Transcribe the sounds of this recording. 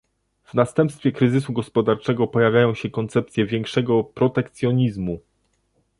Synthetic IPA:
vnast̪ɛmpst̪fʲjɛkɾɘzɘsuɡɔspɔd̪aɾt͡ʂɛɡɔpɔjavʲjajɔ̃w̃ɕɛkɔnt̪sɛp̚t̪sʲjɛvʲjɛŋkʂɛɡɔpɾɔt̪ɛkt̪sʲjɔɲizmu

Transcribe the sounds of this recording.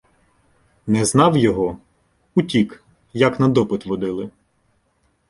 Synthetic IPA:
nɛznɑwjɔɦɔ | utʲik | jɐknɐd̪ɔpɪt̪ʋɔd̪ɪlˠɪ

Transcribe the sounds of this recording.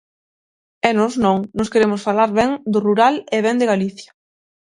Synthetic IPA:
ɛnɔznõŋnɔ̃skeɾemʊsfalaɾβɛŋd̪ʊruɾaleβɛnd̪eɣaliθjɐ

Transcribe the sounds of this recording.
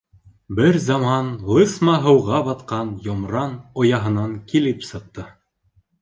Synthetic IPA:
bɘɾzɑmɑnlˠɤsmɑɦɤ̆wʁɑbɑt̪qɑnjomɾɑnŏjɑɦɤ̆nɑŋkilɘpsɤ̆q̚t̪ɤ

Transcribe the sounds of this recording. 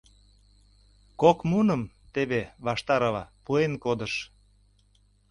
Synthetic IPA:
kokmunəm | t̪eβeβɑʃt̪ɑɾɑlɑpuenkod̪əʃ

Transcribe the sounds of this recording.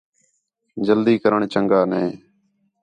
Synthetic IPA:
d͡ʒəld̪iːkəɾəɳt͡ʃəŋɡaːnɛ̃ː

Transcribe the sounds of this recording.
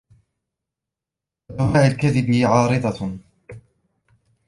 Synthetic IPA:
ʔad̪awaːʔalkaðɪbɪʕɑːɾɨd̪ˤɑ

